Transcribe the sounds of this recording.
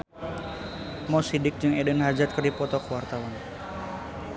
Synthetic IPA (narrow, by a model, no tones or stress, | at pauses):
mɔsidɪk̚d͡ʒɨŋɛdɛnɦad͡ʒat̪̚kɨrdipɔt̪ɔkəwart̪awan